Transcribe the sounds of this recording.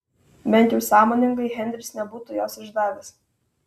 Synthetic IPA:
bʲɛnt̪ʲjɛʊsɑːmoːnʲɪŋɡɐɪɦʲɛnʲd̪ʲɾʲɪsʲnʲɛbuːt̪ʊjoːsɪʒd̪ɑːʋʲes

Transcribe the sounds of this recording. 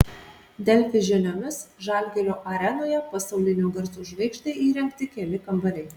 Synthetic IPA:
d̪ʲɛlʲfʲɪʒʲɪnʲoːmʲɪsʒɐˑlʲɡʲɛɾʲoːʔɐɾʲɛnoːjɛpɐsɐʊlʲɪnʲoːɡɐɾsuːʒʋɐɪkʃt̪ɐɪʔiːɾʲɛŋʲkt̪ʲɪkʲɛlʲɪkɐmbɐlʲɛɪ

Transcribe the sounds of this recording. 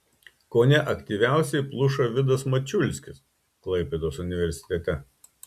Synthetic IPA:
koːnʲɛʔɐkt̪ʲiʋʲæˑʊsʲɛɪplˠʊʃɐʋʲɪd̪ɐsmɐt͡ʃʲʊlʲsʲkʲɪs | klˠɐɪpʲed̪oːsʊnʲɪʋʲɛɾʲsʲɪ̥t̪ʲɛt̪ʲɛ

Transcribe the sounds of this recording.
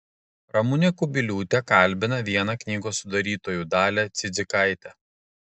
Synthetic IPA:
ɾɐmʊnʲekʊbʲɪlʲuːt̪ʲɛkɐˑlʲˑbʲɪnɐʋʲiɛnɐknʲiːɡoːsːʊd̪ɐɾʲiːt̪oːjuːˑd̪ɑːlʲɛt̪sʲɪd̪zʲɪkɐˑɪt̪ʲɛ

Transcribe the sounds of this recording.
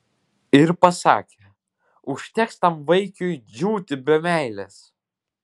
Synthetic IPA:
ɪɾpɐsɑ̰ːkʲɛ | ʊʃʲt̪ʲɛkst̪ɐmʋɐɪkʲʊjd͡ʒʲuːt̪ʲɪbʲɛmʲæˑɪlʲɛs

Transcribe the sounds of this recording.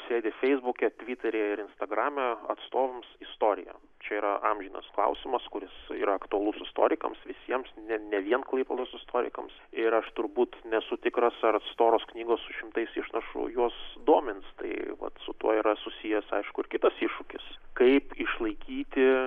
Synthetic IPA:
sʲeːd̪ʲɪfʲɛɪzbukʲɛt̪ʲʋʲit̪ʲɛɾʲeːɪɾɪnst̪ɐɡɾɑːmʲɛɐt̪st̪oːʋɐmsɪst̪oːɾʲɪ̰jɛ̰ | t͡ʃʲɛiːɾɐʔɑmʲʒʲiːnɐ̰sklˠɐ̰ʊsʲɪmɐskʊɾʲɪsḭːɾɐɐkt̪ʊɐlˠʊsɪst̪o̰ːɾʲɪkɐ̰msʋʲɪsʲiɛmsnʲɛnʲɛʋʲiɛnklˠɐɪpɐlˠoːsɪst̪oːɾʲɪ̰kɐmsɪɾɐʃt̪ʊɾbuːt̪nʲɛsʊt̪ʲɪkɾɐsɐɾɐt̪st̪oːɾoːsknʲiːɡoːssʊʃʲɪmt̪ɐɪsɪʃnɐʃʊ̰juɔsd̪uɔmʲɪnst̪ɐɪʋɐ̰t̪sʊt̪uɔiɾɐsʊsʲiːjɛsɐ̰ɪʃkʊɪɾkʲɪt̪ɐsiʃʊkʲɪskɐɪpɪʃlˠɐɪkʲiːt̪ʲɪ

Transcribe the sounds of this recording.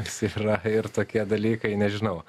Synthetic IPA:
siɾɐɪɾt̪oːkʲiɛd̪ɐlʲiːkɐɪnʲɛʒʲɪnɐʊ

